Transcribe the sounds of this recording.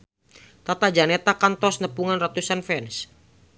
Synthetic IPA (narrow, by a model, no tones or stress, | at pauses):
t̪at̪ad͡ʒanet̪akant̪ɔsnəpuŋanrat̪usanfɛns